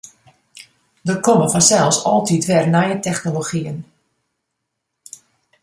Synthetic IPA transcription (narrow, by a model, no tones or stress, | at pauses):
dərkoməfɔnsɛlˠfsɔlˠtitʋɛrnajətɛxnoloxiən